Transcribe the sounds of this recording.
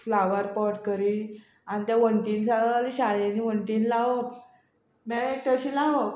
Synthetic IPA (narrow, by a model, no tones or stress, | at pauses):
flaʋəɾpɔʈkəɾiːl | anit̪jaʋəɳʈinsaɡəaliɕaɭjaniʋəɳʈinlaʋə | maeʈəɕilaʋə